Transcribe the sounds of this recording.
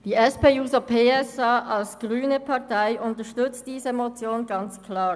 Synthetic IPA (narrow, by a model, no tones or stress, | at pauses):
d̥iːɛspeːjuːzopʰeːɛsaːʔalsɡ̥ʁyːnəpʰɑʁtaɪʔʊntəʃtʏt͡std̥iːzəmot͡sjoːnɡɑnt͡skʰlaːʁ